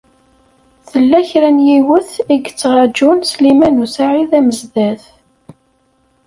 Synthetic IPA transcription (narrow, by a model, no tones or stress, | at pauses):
θəlːæçɾænjiwəθiɡt͡sːəʁɑd͡ʒunslimænusaʕiðæməzðæθ